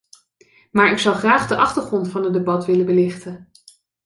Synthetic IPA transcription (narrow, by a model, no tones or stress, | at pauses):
maːɹɪksʌwχraːχdəʔɑχtəɹχrɔntfɑnɦədebɑtʋɪləbəlɪχtən